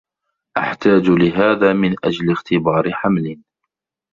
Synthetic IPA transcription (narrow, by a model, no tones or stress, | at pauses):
ʔaħt̪aːd͡ʒlɪɦaːðaːmɪnʔa̰d͡ʒlɪɣt̪ʰɪbɑːɾɪħamlɪn